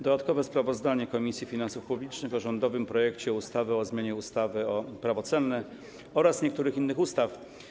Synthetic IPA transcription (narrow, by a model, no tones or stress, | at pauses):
d̪ɔd̪at̪kɔvɛspɾavɔzd̪aɲɛkɔmʲisʲjifʲinansufpublʲit͡ʂnɘxɔʐɔnd̪ɔvɘmpɾɔjɛkt͡ɕɛɔust̪avɛɔzmʲjeɲɛust̪avɘɔpɾavɔt̪sɛlnɛ | ɔɾasɲɛkt̪uɾɘxinːɘxust̪af